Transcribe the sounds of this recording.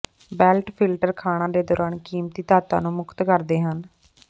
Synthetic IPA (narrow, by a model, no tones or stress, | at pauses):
bɛːlʈpʰɪlʈəɾkʰaːɽ̃ãːd̪eːd̪ɔːɾaːnkiːmt̪iːt̪aːt̪a̰ːnũːmʊkt̪kəɾd̪eːɦən